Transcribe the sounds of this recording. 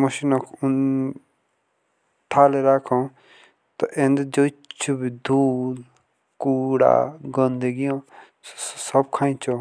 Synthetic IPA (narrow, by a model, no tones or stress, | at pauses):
məʃinokʰʊn | ʈʰaːleɾaːkʰõ | t̪ɔʔẽnd̪d͡ʒot͡ʃʰubid̪ʱuːl | kuːɽa̰ɡɔ̃nd̪eɡijõː | sssəb̚kʰaːĩt͡ʃʰo